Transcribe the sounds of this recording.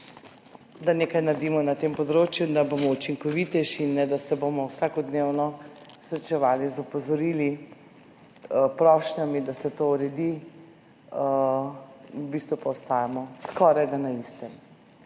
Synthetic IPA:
d̪aneːkajnaɾd̪imɔnat̪empɔd̪ɾoːt͡ʃjud̪abomɔut͡ʃiŋkɔʋit̪ɛʃiinːɛd̪asɛbomɔwsaːkɔd̪newnɔsɾɛt͡ʃɛʋaːlizɔpɔzɔɾili | pɾɔʃnamid̪asɛt̪ouɾɛd̪i | bist̪ʋupaɔst̪aːjamɔskɔːɾajd̪anaist̪ɛm

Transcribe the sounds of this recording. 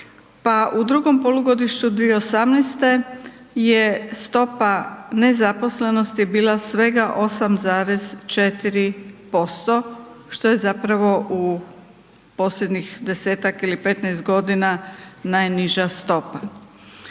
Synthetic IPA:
paʔud̪ɾuɡo̞mpo̞luɡo̞d̪iʃt͡ɕud̪ʋijeosamnest̪e̞ | jest̪o̞pane̞zapo̞sle̞no̞st̪jebiːlˠasʋe̞ɡaʔo̞samzaːɾe̞zt͡ʃet̪iɾipo̞st̪o̞ʃt̪o̞je̞zapɾaʋo̞ʔu | po̞slʎʲed̪ɲixd̪e̞se̞ːt̪akilipe̞t̪nɛjst̪ɡo̞d̪inanajniʒast̪o̞pa

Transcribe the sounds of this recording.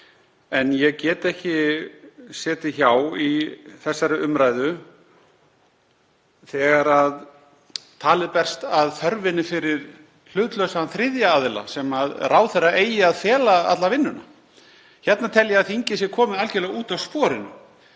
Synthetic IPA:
ɛnjɛɣcɛːt̪ɛhcɪ | sɛːt̪ɪçawiθɛsːaɾɪʔʏmɾaːjðʏ | θɛɣaɾað | t̪ʰaːlɪðpɛr̥st̪aðθœɾvɪnːɪfɪɾɪɾ̥ | l̥ʏːt̪lœɥsaanθɾɪðjaːðɪla̰sɛmaðraːwθɛrːaeːjɪaðfjɛːlaa̰t̪lavɪnːʏna̰ | çɛt̪nat̪ʰɛljaaðθiɲcɪsjɛkʰɔːmɪðalcɛlɛɣuːt̪awspɔːɾɪnʏ̰

